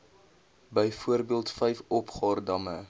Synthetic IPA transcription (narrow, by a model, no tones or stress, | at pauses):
bəjfuərbiəlˠtfɛjfɔpχɑːrdɐmə